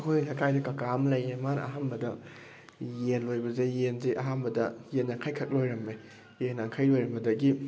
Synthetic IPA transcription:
ɐkʰojlakʰajdɐkakamlɐjemana̰ɦambɐdɐ | jenojbɐzejenzeʔɐɦanbɐdɐjenːɐkʰajkʰɐk̚lojɾɐmːe | jenaŋkʰɐjlojɾɐmbɐdɐɡi

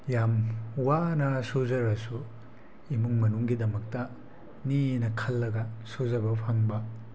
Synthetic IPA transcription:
jamwanɐsuzɐɾɐsu | imuŋmɐnuŋɡidɐmɐk̚tɐ | ninɐkʰɐlːɐɡɐsuzɐbɐpʰaŋbɐ

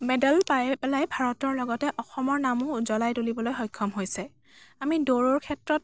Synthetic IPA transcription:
mɛdalpajɛpɛlajbʱaɹɔtɔɹlɔɡɔtɛʔɔxɔmɔɹnamuzɔlajtolibɔlojxɔjkʰːɔmɦojsɛ | amidoɹɔɹkʰɛtɹɔt̚

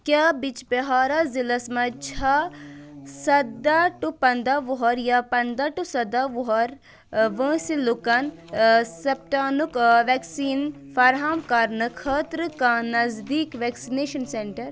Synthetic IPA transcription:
kʲjaːbit͡ʃbɐɦaːɾazilɐsmɐt͡ʃʰa | sɐd̪aʈupɐnd̪aʋuɦɐɾjapɐnd̪aʈusɐd̪aʋuɦɐɾ | ʋə̃ːsilukɐn | sɐp̚ʈaːnukʋɛːksiːn | fɐɾɦaːmkɐɾnɨkʰɐːt̪ɾɨkãnɐzd̪iːkʋɛːksineːʃɐnseɳʈɐɾ

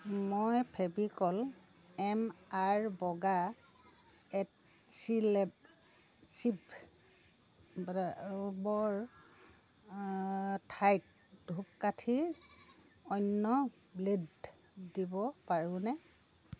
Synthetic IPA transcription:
mojpʰebikɔl | ɛmaɹbɔɡa | ɛt | silɛb̚ | sib | bbɔɹ | tʰajt̚ | dʱup̚katʰi | ɔjnːɔ | bledː | ibɔpaɹũnɛ

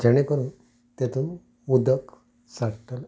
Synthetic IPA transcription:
d͡ʑəɽ̃ekəɾuːn | t̪et̪uːn | ud̪ʱək | saʈəl

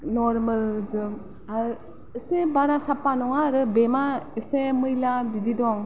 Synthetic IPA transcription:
nɔɾmɯlzɯm | aɾ | ɯsebaɾasapːanɔŋaɾɯbemaɯsemɯjlabididɔŋ

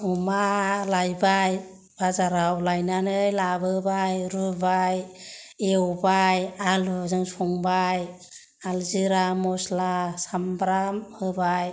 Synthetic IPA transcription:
umalajbaj | b̥azaɾawlajnanɯjlabɯbajɾubaj | eubajalzɯŋsɔŋbaj | alziɾamɔslasambɾamhɯbaj

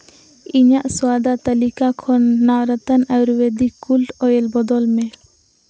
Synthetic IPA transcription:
iɲaʔswad̪at̪alikakʰɔnːawɾat̪anawɾwed̪ikulʈɔjɛlbɔd̪ɔlmɛ

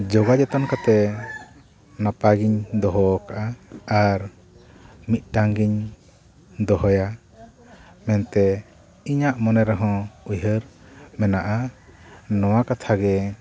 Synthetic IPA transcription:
d͡ʒɔɡad͡ʒɔt̪ɔnkat̪ɛ | napaɡiɲd̪ɔɦɔkaʔaːɾ | mit̪̚ˀʈaŋɡiɲ | d̪ɔɦɔja | mɛnt̪ɛ | iɲaʔmɔnɛɾɛɦɔ̃ujɦəɾmɛnaʔa | nɔwakat̪ʰaɡɛ

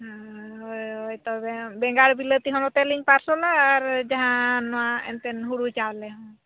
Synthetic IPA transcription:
ɦɦojɦojt̪ɔbɛbɛŋɡaɽbilət̪iɦɔnɔt̪ɛliɲpaɾsɔnaaɾd͡ʒaɦãnɔaɛ̰nt̪ɛnɦuɽut͡ʃalɛɦɔ̃

